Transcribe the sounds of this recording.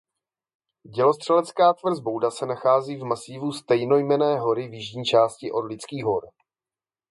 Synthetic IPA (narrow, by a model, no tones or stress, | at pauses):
ɟɛlo̞st̪r̥ɛlɛt͡skaːt̪vr̩zbo̞wdasɛnaxaːziːvmasɪvust̪ɛjno̞jmɛnɛːɦo̞ɾɪvjɪʒɲiːt͡ʃaːscɪʔo̞dlɪt͡skiːɦo̞ɾ